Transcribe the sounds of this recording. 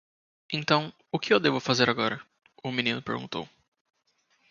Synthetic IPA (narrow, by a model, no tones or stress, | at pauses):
ẽt̪ɐ̃w̃ | ʊkɪewd̪evʊfazeɾaɡɔɾɐ | ʊminĩnʊpeɾɡũt̪o̰w